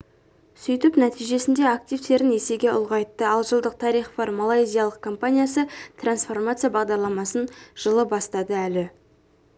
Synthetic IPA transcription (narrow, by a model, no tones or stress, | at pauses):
sʏjt̪ɪpnæt̪ijʒe̞sɪnd̪e̞akt̪ijft̪e̞ɾɪne̞se̞ɡʲe̞ʊ̰lˠʁɑjt̪ːəɑlˠʒəlˠd̪əq̚t̪ʰɑɾijχvɑɾmalˠɑjzʲijalˠəq̚kʰo̞mpanʲijasət̪ʰransfo̞rmat̪sɨjabɑʁd̪ɑɾlˠɑmɑsənʒ̥əlˠəbɑst̪ɑd̪əælɪ